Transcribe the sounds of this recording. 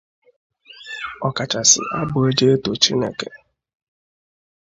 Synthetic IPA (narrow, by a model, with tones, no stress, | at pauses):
ɔ˨ka˨t͡ʃa˨sɪ̰˨ʔa˦bʊ˨e˦d͡ʒe˦e˦to˨t͡ʃi˦nḛ˨ke˨